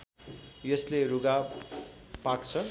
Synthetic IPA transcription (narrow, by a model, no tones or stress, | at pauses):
jʌsleruɡa | pakt͡sʰʌ